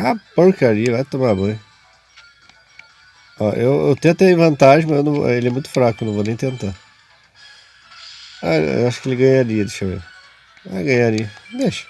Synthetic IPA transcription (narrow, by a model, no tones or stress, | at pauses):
apoɾkaɾiɐvajt̪omamɐ̃j̃ | ɔʔewḛwt̪ẽt̪eĩvɐ̃nt̪aʒẽmɐzewnɐ̃w̰elɪɛmũj̃t̪ʊ̥fɾakʊewnɐ̃vonẽj̃t̪ẽnt̪a | a̰ḛwaʃʊ̥kɪelɪɡɐ̃ɲaɾiɐd̪eʃaḛ | va̰jɡɐ̃jaɾiɐd̪eʃɐ̥